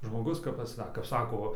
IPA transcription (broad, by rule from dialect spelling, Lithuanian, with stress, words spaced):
ʒmoːˈɡʊs kɐp pɐˈsɐk kɐp ˈsɑːkoː ʋɐ